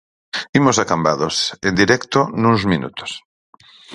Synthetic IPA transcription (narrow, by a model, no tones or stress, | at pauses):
imosakambaðosend̪iɾɛkt̪onũŋzminṵt̪o̥s